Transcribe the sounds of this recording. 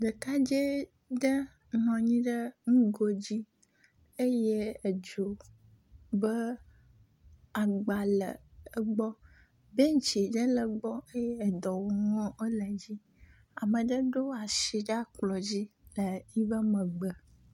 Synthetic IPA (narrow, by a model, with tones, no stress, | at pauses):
ɖə˨ka˦d͡ʒe˦ | ɖə˦ | nɔ̃˨ɲĩ˦ɖə˦ŋũ˦ɡo˨d͡ʑi˦ | e˦je˦ə˨d͡ʒo˨ | bə˦ | a˨ɡ͡ba˨lə̰˨ə˨ɡ͡bɔ˦ | be˦ŋ˦t͡ʃi˨ɖə˦lə˨ɡ͡bɔ˦e˦jɛ˦˨d̪ɔ˨wo˨ŋɔ̃˦ə˦lə˨d͡ʑi˦ | a˨mə̃˨ɖə˦ɖo˦a˨ʃi˨ɖa˦k͡plɔ˨d͡ʑi˦lə˨i˦bə˦mə̃˨ɡ͡bə˨